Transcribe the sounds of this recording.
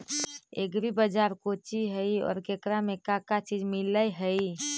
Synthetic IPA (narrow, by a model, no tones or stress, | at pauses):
ḛɡɾibəd͡ʒaɾkot͡ʃiɦəjɔ̰ːɾkekɾamekakat͡ʃid͡ʒmiləjɦəj